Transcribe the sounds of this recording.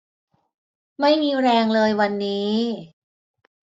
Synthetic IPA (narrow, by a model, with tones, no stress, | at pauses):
ma˥˩jmiː˧ɾɛː˧ŋlɤː˧jwa˧nːiː˦˥